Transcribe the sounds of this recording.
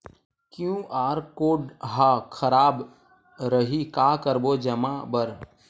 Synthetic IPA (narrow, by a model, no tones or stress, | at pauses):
kjũʔaːɾkoːɖɦakʰəɾaːb | ɾəɦikaːkəɾbod͡ʒəmabəɾ